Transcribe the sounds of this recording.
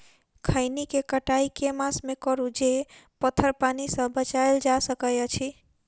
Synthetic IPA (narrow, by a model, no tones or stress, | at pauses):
kʰəɪnikekəʈaikemasmekəɾud͡ʒepət̪ʰəɾpanisə̃bət͡ʃaeld͡ʒasəkəjət͡ʃʰi